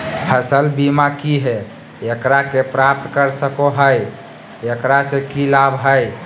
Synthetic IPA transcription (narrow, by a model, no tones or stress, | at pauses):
pʰəsəlbimakiɦɛ | ekɾakepɾap̚t̪kəɾsəkoɦəj | ekɾasekilabɦəj